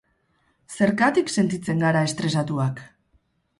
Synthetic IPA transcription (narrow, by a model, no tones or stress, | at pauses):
se̞ɾkat̪ikse̞nt̪it͡se̞ŋɡaɾae̞st̪ɾe̞sat̪uak